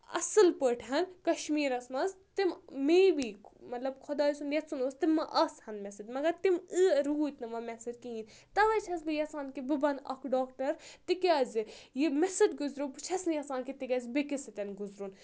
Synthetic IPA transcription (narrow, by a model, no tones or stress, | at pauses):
ɐ̰sɨlpəʈʰɦɐnkɐʃmiːɾɐsmɐz | t̪immeːbiːmɐt̪lɐbkʰʊd̪aːisunjɐt̪sunoːst̪imːɐʔɐshɐnmʲɛsɐd̪ʲmɐɡɐɾt̪imɨɾuːt̪nɨʋɐmɛsɨd̪kiĩːn | t̪ɐʋɐjt͡ʃʰɐs̬bɨjɐsaːnkibɨbɐnɐ̰kʰɖoːkʈɐɾt̪ikiɐːzʲɨjimɛsɨd̪ɡuzɾopɨt͡ʃʰɐsnɨjɐsaːnkit̪iɡɐzbikisɨt̪ʲɐnɡʊzɾun